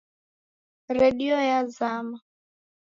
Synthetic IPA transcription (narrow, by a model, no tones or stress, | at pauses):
ɾɛɗiɔjazama